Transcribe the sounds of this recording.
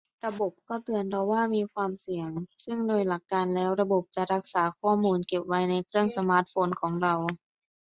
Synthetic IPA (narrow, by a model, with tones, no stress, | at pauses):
ɾa˧bo˨˩p̚kɔː˥˩t̪ɯ˧ənpʰɔ˧waː˥˩miː˧kʰwaː˧msi˨˩˦əŋsɯ˥˩ŋdoː˧jla˨˩kːaː˧nlɛː˦˥wɾa˧bo˨˩p̚t͡ɕa˨˩ɾa˦˥k̚saː˩˦kʰɔː˥˩muː˧nke˨˩p̚wa˧jna˧jkʰɾɯ˥˩əŋsa˧maː˦˥t̪̚foː˧nkʰɔː˩˦ŋɾa˧w